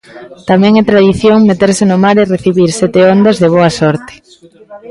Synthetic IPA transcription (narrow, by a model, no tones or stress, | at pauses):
t̪amɛ̃ŋɛt̪ɾaðiθjoŋmet̪eɾsɪnʊmaɾereθiβiɾsɛt̪eond̪ɐzðeβ̞oɐsɔɾt̪e̥